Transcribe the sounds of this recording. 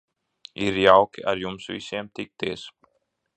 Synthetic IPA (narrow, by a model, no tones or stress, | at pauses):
iɾjawkʔæ̰ɾjumsvḭseːmt̪ʰik̚t̪eːs